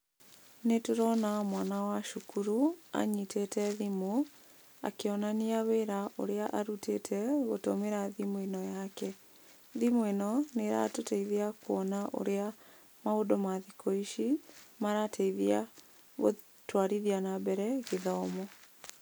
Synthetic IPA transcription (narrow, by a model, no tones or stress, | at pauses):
netoɾɔnamwanawaʃukuɾua̰ɲitʰetɛðimo | a̰keɔnaniaβeɾaʔo̰ɾeaʔaɾutʰetʰɛɣotomeɾaðimoenɔjakɛ | ðimoenɔneɾa̰toteiðeakuɔnaʔo̰ɾea | maodomaðikʰoiʃimaɾatʰeiðia | ɣo̰ | twaɾiðianabɛɾɛɣeðɔːmɔ